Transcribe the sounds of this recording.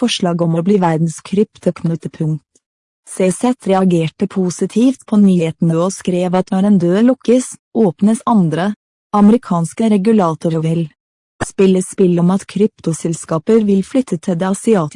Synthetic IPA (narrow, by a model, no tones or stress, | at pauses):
fɔʃɭɑːɡɔmɔbliːʋæɾd̪n̩skʰɾʏpt̪ʊknʊt̪əpʰʉŋt̪ | sesɛt̪ʰɾɛɑɡeːʈəpʰuːsɪt̪ʰiːft̪pʰoːnyːheːt̪ən̩əoːskɾeːʋɑt̪nɔɾeːnd̪øːlʊkəsʔoːpnəsɑnd̪ɾə | ʔɑməɾɪkʰɑːnskəɾɛɡʉlɑːt̪ʊɾəʋɪl | spɪləspɪlɔmɑt̪kʰɾʏpt̪ʊsɛlskɑːpəɾʋɪlflʏt̪ʰːət̪ʰɪd̪eːɑsɪɑːt̪